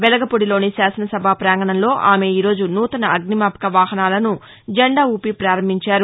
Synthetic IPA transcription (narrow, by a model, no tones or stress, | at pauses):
ʋɛlɐɡɐpoɽilo̞ːnisaːsɐnɐsɐbʱaːpɾaːŋɡɐɳɐnlo̞ːʔa̰ːme̞iːɾo̞ːd͡ʒunuːt̪ɐnɐɐɡnimaːpɐ̥kɐʋaːɦɐnaːlɐnu | d͡ʒɐɳɖaːuːpipɾaːɾɐmbʱiɲt͡ʃaːɾu